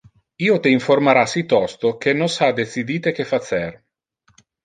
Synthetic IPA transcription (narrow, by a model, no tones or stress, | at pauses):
iːot̪eiɱformaɾasit̪ɔst̪ok̟enːosad̪et̪sid̪iːt̪ek̟efat̪sɛr